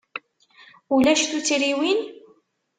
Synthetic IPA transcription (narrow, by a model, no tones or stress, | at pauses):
ulæʃθut͡sɾiwin